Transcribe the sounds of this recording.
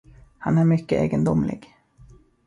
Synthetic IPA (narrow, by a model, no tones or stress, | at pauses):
hanæɾmʏkːəʔḛːɡənd̪ʊmlɪ̰ɡ